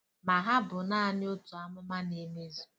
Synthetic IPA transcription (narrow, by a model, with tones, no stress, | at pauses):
ma˨ɦa˦bʊ˨na˦a˨nɪ˦o˦tu˨a˦mʊ˦ma˦ne˨me˦zu˨˦